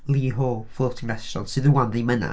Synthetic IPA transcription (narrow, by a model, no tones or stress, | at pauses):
lˠiːɦɔfoːtʰɪ̃ŋɛst͡ʃɔnsɪðəwanðiməna̰